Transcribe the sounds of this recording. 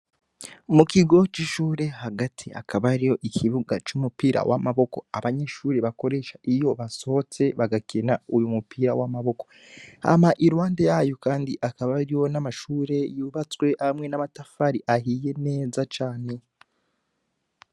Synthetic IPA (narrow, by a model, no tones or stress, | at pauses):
mukiɡo̞t͡ʃiʃuːɾe̞haɡatʰia̰kʰaβaɾijo̞ʔikʰiβuɡat͡ʃumupiːɾa̰wʔa̰maβo̞ko̞aβaɲe̞ʃuːɾeβako̞ɾe̞ʃaʔijo̞βaso̞t͡se̞βaɡakʰe̞naujumupiːɾawamaβo̞ko̞̥ | a̰maʔiɾwaːndejaːjo̞kaːndiʔakaβaɾijo̞namaʃuːɾe̞juːβat͡swe̞ʔamŋe̞namatafaɾiʔaɦiːje̞ne̞ːzat͡ʃaːne̞